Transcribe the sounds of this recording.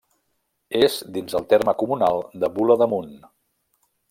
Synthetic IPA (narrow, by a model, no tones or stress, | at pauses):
ezd̪inzəlˠt̪erməkumunalˠd̪əβuləðəmun